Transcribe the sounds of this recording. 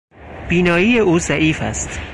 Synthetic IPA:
b̥iːnɒːjiːjeʔuːzæʔiːfæ̰st̪

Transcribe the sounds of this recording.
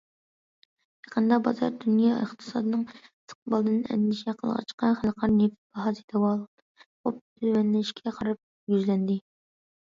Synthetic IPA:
kʰɑqʰənd̪ɑbɑzɑ̰ɾd̪unjɑə̰χt̪ʰɨ̥sɑ̰ːd̪ɨnɨŋst̪ə̥qbɑlˠd̪ɨnɛ̰nd̪ɪʃɛqʰəlˠʁɑ̰t͡ʃʰqɑnχælqʰɑɾnepb̥ɑɦɑzit̪ʰɛwɑlˠ | op̚t̪ʰymɛnlɪʃkʲʰɛqʰɑɾɨp̚ | jyzlɛnd̪ɪ

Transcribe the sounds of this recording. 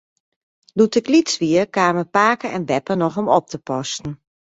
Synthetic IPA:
lutɪklit͡sʋiəkaːməpaːkəɛnʋɛpənɔxɔmɔp̚tʰəpɔstn̩

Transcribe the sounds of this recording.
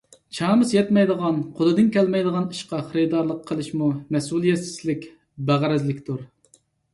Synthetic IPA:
t͡ʃʰɑːmɨsjɛt̪mɛjd̪əʁɑnqʰod̪ɨd̪ɨnkʲʰɛlmɛjd̪əʁɑniʃqɑχəɾɨd̪ɑɾlˠəqʰːəlˠɨʃmumɛsulˠjɛsɪ̥slɪkʲ | bæʁɾɛzlɪkʲt̪ʰuɾ

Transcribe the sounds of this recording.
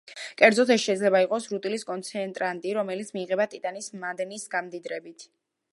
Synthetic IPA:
kʼɛɾd̪zɔt̪ʰɛsʃɛd̪zlɛbaiqʼɔsɾut̪ʼiliskʼɔnt̪sʰɛnt̪ʼɾant̪ʼiɾɔmɛlit̪sʰmiːʁɛbat̪ʼit̪ʼanismad̪nisɡamd̪id̪ɾɛbit̪ʰ

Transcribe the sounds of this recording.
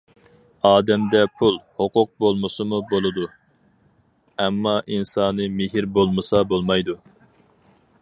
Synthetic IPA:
ɑːd̪ɛmd̪ɛpʰulˠhoqʊq̚bolˠmɨsɨmubolˠɨd̪u | ɛmːɑʔinsɑːnɨmɪɦiɾbolˠmɨsɑbolˠmɑjd̪u

